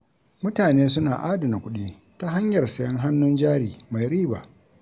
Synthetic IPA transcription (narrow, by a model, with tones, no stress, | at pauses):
mʊ˦taː˨neː˦s̬ʊ˦naː˨ʔaː˦dɐ˨na˨kʷʊ˦ɗiː˦ | ta˦ɦa˦ɲjɐ˨rsɐ˦jɐ˦ŋɦa˦nːʊ˦nd͡ʒaː˦ɾiː˨ma˨jɾiː˦ba̰ː˨